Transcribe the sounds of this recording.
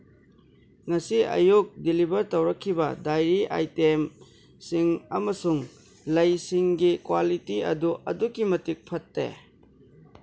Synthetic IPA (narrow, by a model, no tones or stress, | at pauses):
ŋɐsiʔɐ̰juk̚dilibʱɐɾtɐwɾɐkʰːibɐdajɾiʔa̰jtem | siŋɐmɐsuŋ | lɐjsiŋɡikwalitiɐ̰duʔɐ̰dukimɐtik̚pʰɐtːḛ